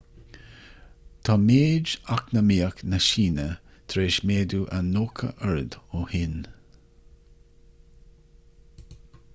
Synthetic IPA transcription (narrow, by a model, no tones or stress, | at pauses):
t̪ʰɑːmeːd͡ʒaknəmiːəknəʃiːnə | t̪ʰɾeːʃmeːd̪uʔənoːkʰə̰ʔəɹd̪ohɪn